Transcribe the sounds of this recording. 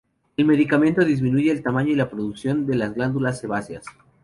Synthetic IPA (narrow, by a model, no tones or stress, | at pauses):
e̞lme̞ðikamẽ̞nt̪o̞ðizmĩnuʝe̞ːlt̪amãɲo̞ilapɾoðuksjo̞nd̪e̞lazɣland̪ulasːeβasjas